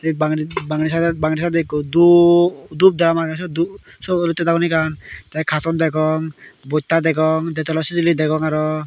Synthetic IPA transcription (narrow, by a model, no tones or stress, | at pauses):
t̪abaŋibaŋnisad̪ɛbaŋɾis̬ad̪ekɔd̪ud̪up̚d̪ɾamaɡasɔd̪usɔlɔt̪ːɛd̪akɔnikant̪ɛkʰat̪ɔnd̪ɛkɔŋbɔt̪ːad̪ɛɡɔŋd̪ɛt̪ɔlɔsit̪ilid̪ɛɡɔŋaɾɔ